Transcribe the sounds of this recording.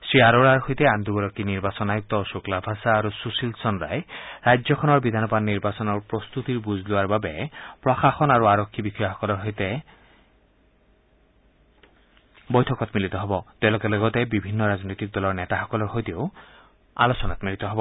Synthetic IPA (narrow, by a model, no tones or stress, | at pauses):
sɹiaɾoɾaɾɦɔjt̪eand̪uɡɔɾɔkiniɾbasɔnajuk̚t̪ɔsuklabʱasaːɾususilsɔnɾa̰jɾajd͡ʒɔkʰɔnɔɾbid̪ʱanɔbad̪niɾbasɔnɔɾpɾɔst̪ut̪iɾbuzʱluaɾbabepɾɔxaxɔnaɾuaɾɔkʰːibikʰiaɦɔkɔlɔɾɦojt̪e | bɔjt̪ʰɔkɔt̪milit̪ɔɦɔbɔt̪ewlokeloɡɔt̪ebibʱinːɔɾaznɔjt̪ik̚d̪ɔlɔɾnet̪aɦɔkɔlɔɾɦojt̪ioʊ | a̰lɔsɔnat̪milit̪ɔɦɔbɔ